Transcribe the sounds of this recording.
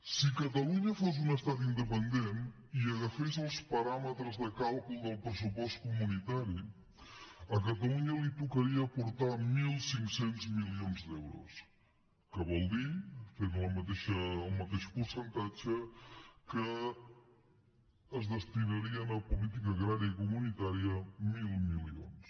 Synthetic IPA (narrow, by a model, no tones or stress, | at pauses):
sikət̪əluɲəfoz̬unəst̪at̪̬ind̪əpənd̪en | iəɣəfezəlˠspəɾamət̪ɾəzðəkalˠkulˠd̪əlˠpɾəsupɔst̪̚kumunit̪aɾi | əkət̪əluɲəlit̪ukəɾiəːpuɾt̪amilˠsiŋksenzmilionzd̪ɛwɾṵs | kəβɔlˠd̪ifenləmət̪eʃəːlˠmət̪eʃpuɾsənt̪ad͡ʒəkə | zðəst̪inəɾiənəpulit̪̬ikəːɣɾaɾiəikumunit̪aɾiəmilˠmilio̰ns